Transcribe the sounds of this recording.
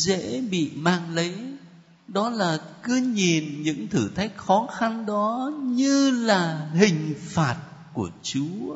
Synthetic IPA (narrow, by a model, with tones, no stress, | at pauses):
zḛ˧˥ɓḭ˧˨maː˧ŋlə˨˦j | ɗɔ˨˦laː˨˩kɨ˨˦ɲi˨˩nɲɨ̰˧˥ŋt̪ʰɨ˧˩t̪ʰa˨˦˥jk̚xɔ˨˦xa˧nɗɔ˨˦ɲɨ˧laː˨˩hï˨˩ŋ̟faː˨˩t̚ | ku˧˩ət͡ɕu˨˦